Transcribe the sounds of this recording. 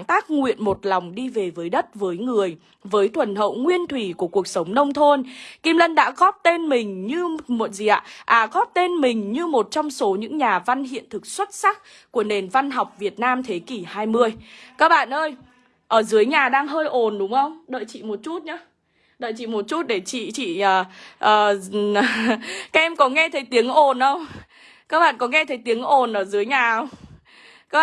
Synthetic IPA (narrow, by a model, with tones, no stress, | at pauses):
ŋt̪aː˦˥k̚ŋwḭ˧˨ənmo˨˩t̚la˨˩wŋ͡mɗi˧ve˨˩vəː˨˦jɗə˦˥t̚vəː˨˦jŋɨ˨˩əj | vəː˨˦jt̪ʰwə˧˩nɦə̰˧˨wŋwi˧ənt̪ʰwi˧˩ku˧˩əku˨˩ək̚sə˨˦wŋ͡mnə˧wŋ͡mt̪ʰo˧nki˧mlə˧nɗa̰ː˧˥ɣɔ˦˥p̚t̪e˧nmï˨˩ŋ̟ɲɨ˧mo˨˩t̚zi˨˩ʔa̰ː˧˨ʔaː˨˩ɣɔ˦˥p̚t̪e˧nmï˨˩ŋ̟ɲɨ˧mo˨˩t̚t͡ɕɔ˧wŋ͡mso˨˦ɲɨ̰˧˥ŋɲaː˨˩va˧nhḭ˧˨ənt̪ʰɨ˨˩k̚swə˦˥t̚sa˦˥k̚ | ku˧˩əne˨˩nva˧nɦa˨˩wk͡p̚vi˨˩ət̚naː˧mt̪ʰe˨˦ki˧˩haː˧jmɨ˧əjkaː˦˥k̚ɓa̰ː˧˨nʔəː˧j | ʔəː˧˩zɨ˨˦əjɲaː˨˩ɗaː˧ŋɦəː˧jʔo˨˩nɗʊ˨˦ŋ͡mʔə˧wŋ͡mɗə̰ː˧˨jt͡ɕḭ˧˨mo˨˩t̚t͡ɕu˦˥t̚ɲaː˨˦ | ɗə̰ː˧˨jt͡ɕḭ˧˨mo˨˩t̚t͡ɕu˦˥t̚ɗe˧˩t͡ɕḭ˧˨t͡ɕḭ˧˨əː˨˩ʔəː˨˩ | kaː˦˥k̚ʔɛ˧mkɔ˨˦ŋɛ˧t̪ʰə˨˦jt̪i˨˦əŋʔo˨˩nʔə˧wŋ͡m | kaː˦˥k̚ɓa̰ː˧˨nkɔ˨˦ŋɛ˧t̪ʰə˨˦jt̪i˨˦əŋʔo˨˩nʔəː˧˩zɨ˨˦əjɲaː˨˩ʔə˧wŋ͡m | kaː˦˥